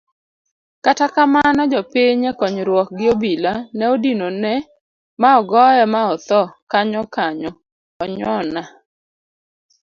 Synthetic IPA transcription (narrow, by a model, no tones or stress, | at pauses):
katakamanɔd͡ʒɔpiɲekɔɲɾwɔk̚ɡɪobilanɛodinonɛ | maɔɡɔjɛmaɔt̪ɔkaɲɔkaɲɔ | ɔɲɔna